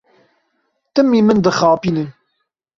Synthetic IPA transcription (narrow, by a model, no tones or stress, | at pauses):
t̪əmːimənd̪əχɑːpinən